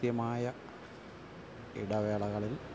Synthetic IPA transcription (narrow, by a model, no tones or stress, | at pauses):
jɐmaːjɐ | ḭɽɐʋeːɭɐɣɐɭil